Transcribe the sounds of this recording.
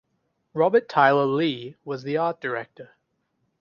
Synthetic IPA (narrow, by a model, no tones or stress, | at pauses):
ɹɑbətʰaɪlˠəliwʌzðiɑˑt̚d̥ə˞ɛk̚tə˞